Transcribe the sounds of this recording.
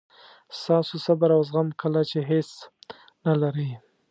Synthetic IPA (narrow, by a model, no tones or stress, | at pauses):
st̪ɑsosabaɾawzɣamkəlat͡ʃeɦes | nalaɾə